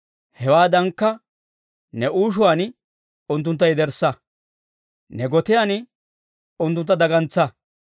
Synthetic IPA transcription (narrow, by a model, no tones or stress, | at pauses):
hɛwaːd̪ɐŋkːɐ | nɛʔuːʃ̬ʊwaːn | ʊnt̪ːʊnt̪̬ːɐjd̪ɛɾsːɐ | nɛɡɔt̪ɪjaːn | ʊnt̪̬ːʊnt̪ːɐd̪ɐɡɐnt͡sːɐ